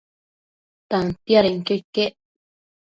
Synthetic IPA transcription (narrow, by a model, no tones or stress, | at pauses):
t̪ant̪jaɾeŋkekeʔ